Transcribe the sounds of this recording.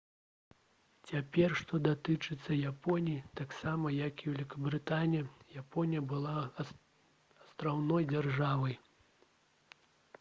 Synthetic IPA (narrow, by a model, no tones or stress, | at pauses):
t͡sʲapʲɛrʂt̪ɔd̪at̪ɨt͡ʂɨt̪sːɐjapɔnʲijit̪aksamɐjɐkiwʲɛlʲikɐbɾɨt̪anʲijɐjapɔnʲijɐbɨlˠa | ɐst̪ɾawnɔjd͡zʲarʐavɐj